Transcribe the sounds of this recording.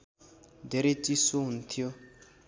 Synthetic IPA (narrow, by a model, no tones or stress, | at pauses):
deɾetisont̪ʰio